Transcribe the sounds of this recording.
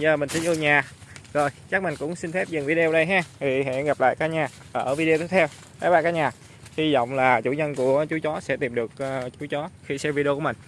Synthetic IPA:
zəː˨˩mï˨˩ŋ̟si˧nʔɨ˧ɲaː˨˩zo˨˩jt͡ɕa˦˥k̚mï˨˩ŋ̟kʊ̰˧˥ŋ͡msi˧nfɛ˦˥p̚zɨ˨˩ŋvi˧ɗe˧o˧˩ɗə˧jɦaː˧t̪ʰi˨˩ɦɛ̰˧˥ɣa˨˩p̚la̰ː˧˨jkaː˨˦ɲaː˨˩ | ʔəː˨˩ʔəː˧˩vi˧ɗe˧t̪ʰːt̪ʰɛ˧w | kaː˨˦jɓaː˧kaː˦˥ɲaː˨˩ | hi˧zɔ̰˧˨wŋ͡mlaː˨˩t͡ɕṵ˧˩ɲə˧nku˧˩ət͡ɕu˨˦t͡ɕɔ˨˦sɛ̰˧˥t̪i˨˩mɗɨ˨˩ək̚ːt͡ɕu˨˦t͡ɕɔ˨˦xi˧sɛ˧mvi˧ɗu˧˩mï˨˩ŋ̟

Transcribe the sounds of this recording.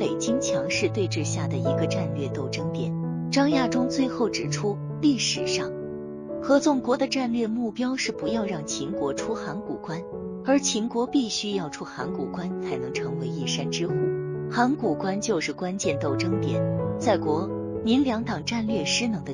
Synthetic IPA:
pe˨˩ɪt͡ɕi˥ŋt͡ɕʰjɑ˧˥ŋʂɻ̩˥˧t̪we˥˧ɪʈ͡ʂɻ̩˥˧ɕja˥˩d̪ə˩i˧˥ɡə˧ʈ͡ʂa˥˧nlɥɛ˥˧t̪o˥˩ʊʈ͡ʂɤ˥ŋt̪jɛ˨˩˦nʈ͡ʂɑ˥ŋja˥˩ʈ͡ʂʊ˥ŋt͡swe˥˧ɪxo˥˩ʊʈ͡ʂɻ̩˨˩ʈ͡ʂʰu˥ | li˥˩ʂɻ̩˨˩ʂɑ˥˩ŋ | xɤ˧˥t͡sʊ˥˩ŋkwɔ˧˥d̪ə˧ʈ͡ʂa˥˧nlɥɛ˥˧mu˥˩pjɑ˥ʊʂɻ̩˥˩pu˧˥jɑ˥˧ʊɻɑ˥˩ŋt͡ɕʰi˧˥ŋkwɔ˧˥ʈ͡ʂʰu˥xa˧˥nku˨˩kwa˥n | ə˞˧˥t͡ɕʰi˧˥ŋkwɔ˧˥pi˥˩ɕy˥jɑ˥˩ʊʈ͡ʂʰu˥xa̰˧˥nkṵ˨˩kwa˥nt͡sʰa˧˥ɪnɤ˧˥ŋʈ͡ʂʰɤ˧˥ŋwe˧˥ɪi˥˩ʂa˥nʈ͡ʂɻ̩˥xu˥˩xa˧˥nku˨˩kwa˥nt͡ɕjo˥˧ʊʂɻ̩˥˩kwa˥nt͡ɕjɛ˥˧nt̪o˥˩ʊʈ͡ʂɤ˥ŋt̪jɛ̰˥˩nt͡sa˥˩ɪkwɔ˧˥ | ni˧˥nljɑ˧˥ŋt̪ɑ˨˩ŋʈ͡ʂa˥˧nlɥɛ˥˩ʂɻ̩˥nɤ˧˥ŋd̪ə˧˩

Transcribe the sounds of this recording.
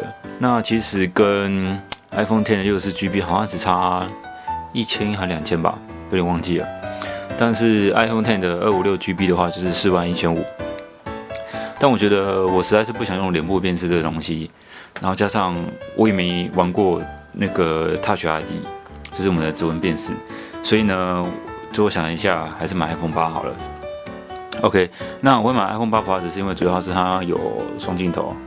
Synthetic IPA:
na˥˩t͡ɕʰi˧˥ʂɻ̩˨˩kə˦na˥ɪfo˥˧ŋt̪ʰnd̪ə˨ljo˥˧ʊs̬ɹ̩˥˩t͡ɕy˥pi˥xɑ˨˩ʊɕjɑ˥˩ŋʈ͡ʂɻ̩˨˩t͡sʰa˥ | i˥˩t͡ɕʰjɛ˥n˥xə˧˥nljɑ˨˩ŋt͡ɕʰjɛ˦˥nba̰˨˩ | jo˥˧ɾe˨˩wɑ˥˧ŋt͡ɕi˥˩lə̰˩t̪a˥˧nʂɻ̩˥˩a˥ɪfo˥˧ŋt̪ʰa˥˩nd̪ə˩ə˥˩u˨˩ljo˥˩ʊt͡ɕy˥pi˥d̪ə˨xwa˥˧t͡ɕjo˥˧ʊʂɻ̩˥˧sɹ̩˥˧wa˥˧ni˥˩t͡ɕʰjɛ˧˥nṵ˨˩˦ | t̪a˥˩nwɔ˨˩t͡ɕɥɛ˧˥d̪ə˧wɔ˨˩ʂɻ̩˧˥t͡sa˥˧ʂɻ̩˥˧p̬u˥˩jŋjʊ˥˩ŋljɛ˨˩npu˥˧p̬jɛ˥˧nʂ̬ɻ̩˥˩d̪ə˩t̪ʊ˧˥ŋɕi˦ | na˧˥nxo˥˩ʊt͡ɕja˥ʂɑ˥˩ŋwʔɔ̰˧˥je˨˩me˧˥ɪwa˧˥nkwɔ˥˧na˥˩ɡə˩t̪ʰa˥˩ɕɛ˧˥a˧˥ɪt̪ḭ˧˥ | t͡ɕjo˥˧ʊʂɻ̩˥˩wmə˨nd̪ə˩t͡sɹ̩˧˥wə˧˦npjɛ˥˧nʂɹ̩˥˩swɔ˧˥i˨˩nə˦ʈ͡ʂo˥˩˥wɔ˧˥ɕjɑ˨˩˨i˧˥ɕja˥˩xa˧ɪʂɻ̩˥˩ma˨˩nʔa˥ɪfo˥˩ŋpa˥xɑ˨˩ʊlə̰˦ | o˧ʊkʰe˥na˥˩wɔ˨˧wma˨˩ʔa̰˥ɪfo˥˧ŋpa˥pʰa˧˥˩ɻ̩˨˩ʂɻ̩˧i˥nwe˥˩u˨˩jʂ̩˥˧t̪ʰa˥jo̰˨˩ʊʂwɑ˥˧ŋt͡ɕi˥˩nt̪ʰo̰˨˦ʊ

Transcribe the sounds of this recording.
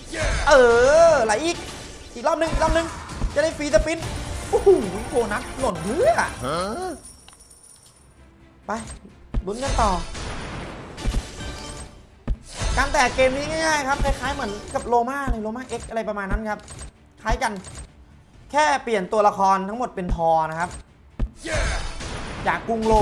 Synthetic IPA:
ʔɤː˨˩la˨˩˦jʔiː˨˩k̚ | ʔiː˨˩k̚lɔː˥˩p̚nɯ˧ŋʔi˨k̚lɔː˥˩p̚nɯ˧ŋt͡ɕa˨˩da˥˩jfiː˧t̪a˧pi˧˥nʔu˧˩hu˧˩u˧˦kʰoː˧˩na˦˥t̪̚lo˨˩npʰɯ˦˥a̰˨˩ʔ | pa˧jlu˧˦nka˧nt̪ɔː˨˩ | kaː˧nt̪ɛː˨˩keː˧mniː˦˥ŋa˥˩jŋaː˥˩jkʰa˦˥p̚kʰa˧˩jkʰaː˦˥jmɯ˩˦ənka˨˩p̚loː˧maː˥˩˧la˧jloː˧maː˥˩ʔe˦˥k̚ʔa˧ɾa˧jpɾa˧maː˧nːa˦˥nkʰa˦˥p̚ | kʰaː˦˥jka˧n | kʰɛː˥˩pli˨˩ənt̪u˧ɐla˧kʰɔː˧nt̪ʰa˦˥ŋmo˨˩t̪̚pe˧nt̪ʰɔː˧na˦˥kʰa˦˥p̚ | j | jaː˨˩kːu˧ŋloː˧

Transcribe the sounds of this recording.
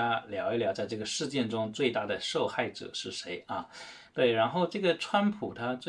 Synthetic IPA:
a˥ljɑ˧˥ʊi˥˩ljɑ˨˥t͡sa˥˧ɪʈ͡ʂɤ˥˩ɡə˩ʂɻ̩˥˧t͡ɕjɛ˥˩nʈ͡ʂʊ˥ŋt͡swe˥˧ɪt̪a˥˩d̪ə˩ʂo˥˧ʊxa˥˩ɪʈ͡ʂɤ̰˨˩ʂɻ̩˥˩ʂe˧˥ɪɐ˥˧t̪we˥˩ɪɻa˧˥nxo˥˧ʊʈ͡ʂɤ˥˩ɡə˩ʈ͡ʂʰwa˥npʰu˨˩t̪ʰa˥t͡swe˥˩

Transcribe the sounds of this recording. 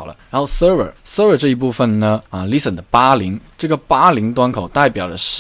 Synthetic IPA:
ʊlə̰˦ɻa˧˥nxo˥˧˩ʊsə˥ə˞˨˩˥sə˥ə˞˨˩ʈ͡ʂɤ˥˩i˧˥p̬u˥˩fə˩nnə˩ə˧li˧˥sə˨˩nd̪ə˦pa˥li˧˥ŋʈ͡ʂɤ˥˩ɡə˩pa˥li˧˥ŋt̪wa˥nkʰo˨˩ʊt̪a˥˩ɪpjɑ˨˩ʊlə˦ʂ̩˧

